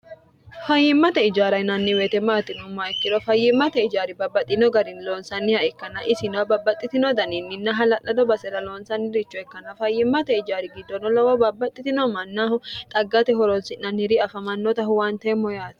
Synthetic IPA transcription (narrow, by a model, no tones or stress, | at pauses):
fɐjːɪmːɐt̪ɛɪd͡ʒaːɾɐjnɐnːɪweːt̪ɛmaːt̪ːɪnɔmɐɛkːɪd̪ɔfɐjːɪmːɐt̪ɛɪd͡ʒaːɾɪbɐbːɐt̪ʼːɪnɔɡɐɾɪnloːnsɐnːɪhɐʔɛkːɐnɐʔɪsɪnɐwbɐbːɐt̪ʼːɪt̪ɪnɔd̪ɐninːɪnːɐɦɐlɐʔɐd̪ɔbɐsɛɾɐloːnsɐnːɪɾɪt͡ʃːɔɛkːɐnɐfɐjːɪmːɐt̪ɛɪd͡ʒaːɾɪɡɪd̪ːɔnɔlɐwɔbɐbːɐt̪ʼːɪt̪ɪnɔmɐnːaːhʊt̪ʼɐɡːɐt̪ɛɦɔɾɔnsɪnɐnɪɾɪɐfɐmɐnːɔt̪ɐhʊwant̪ɛmːɔjaːt̪